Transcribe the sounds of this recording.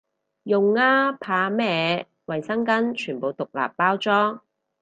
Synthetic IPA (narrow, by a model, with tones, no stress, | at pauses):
jʊ˨ŋːaː˥pʰaː˨˧mɛː˧ | wɐ˨jsɐ˥ŋkɐ˥nt͡ʃʰyː˨˩npo˨wt̪ʊ˨k̚la̰ː˨pːaː˥wt͡sɔː˥ŋ